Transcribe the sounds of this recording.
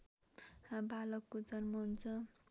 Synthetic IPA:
hãbalʌkːod͡zʌrmʌɦunt͡sʰʌ

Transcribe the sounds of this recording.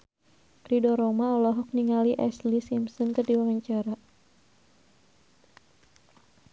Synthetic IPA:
pɾidɔɾɔmaɔlɔɦɔk̚niŋaliʔɛslisimsɔnkərdiwawaɲt͡ʃaɾa

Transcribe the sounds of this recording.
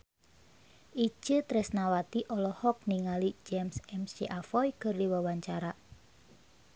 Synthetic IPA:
ʔi̥d͡ʒ̥ət̪ɾɛsnawat̪iʔɔlɔhɔk̚niŋalid͡ʒɛmsɛmsiʔafɔjkərdiwawaɲt͡ʃaɾa

